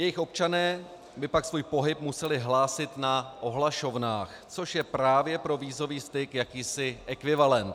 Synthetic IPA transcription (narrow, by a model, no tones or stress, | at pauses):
jɛjɪxo̞p̚t͡ʃanɛː | bɪpaksvuːjpo̞ɦɪp̚musɛlɪɦlaːsɪt̪naʔo̞ɦlaʃo̞vnaːx | t͡so̞ʃjɛpɾaːvjɛpɾo̞viːzo̞viːst̪ɪkjakiːsɪʔɛkvɪvalɛnt̪